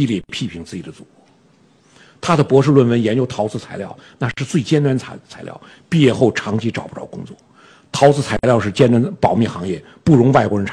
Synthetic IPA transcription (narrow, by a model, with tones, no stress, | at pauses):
i˥˧ljɛ˥˧pʰi˥˩pʰi˧˥ŋt͡sɹ̩˥˩t͡ɕi˨˩d̪ə˦t͡su˨˩u˧˥ | t̪ʰa˥d̪ə˨pwɔ˧˥ʂ̬ɻ̩˥˧lwə˥˩nwə˧˥njɛ˧˥nt͡ɕjo˥ʊt̪ʰɑ˧˥ʊt͡sʰɹ̩˧t͡sʰa˧˥ɪljɑ̰˥˩ʊna˥˧ʂɻ̩˥˧t͡swe˥˩ɪt͡ɕjɛ˥nt̪a˧˥nʰ˧˥t͡sʰa˧˥ɪljɑ̰˥˩ʊ | pi˥˧jɛ˥˧xo˥˩ʊʈ͡ʂʰɑ˧˥ŋt͡ɕʰi˧˥ʈ͡ʂɑ˨˩ʊpt̪ɑ˥˩ʊkʊ˥ŋt͡swɔ̰˥˩ | t̪ʰɑ˧˥ʊt͡sʰɹ̩˥˩t͡sʰa˧˥ɪɪljɑ˥˧ʊʂ̬ɻ̩˥˩t͡ɕjɛ˥nt̪a˧˥npɑ˨˩ʊmjɛ˥˩nxɑ˧˥ŋjɛ̰˥˩ | pu˥˩ɻʊ˧˥ŋwa˥˩ɪkwɔ˧˥ɻə˧˥nʈ͡ʂʰ